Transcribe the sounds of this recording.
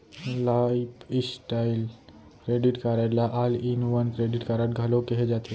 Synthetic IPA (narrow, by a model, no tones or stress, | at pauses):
laipisʈaɪl | kɾeɖiʈkaɾəlaʔalinʋənkɾeɖiʈkaɾaʈɡʱalokeɦed͡ʒat̪e